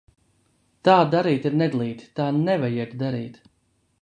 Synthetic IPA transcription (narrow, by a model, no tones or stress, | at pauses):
t̪aːd̪aɾiːt̪iɾnɛd̪lˠiːt̪t̪aːnɛvajiɛt̪d̪aɾḭːt̪